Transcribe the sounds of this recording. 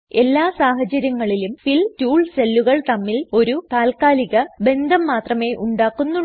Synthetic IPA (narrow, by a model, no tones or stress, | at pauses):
e̞lːaːsaːɦɐt͡ɕɐɾjɐŋːɐɭilumfiltuːɭselːuɣɐɭt̪ɐmːilo̞ɾut̪aːlkaːliɣɐbe̞nd̪ʱɐmːaːt̪rɐme̞ːʔuɳɖaːkːunːu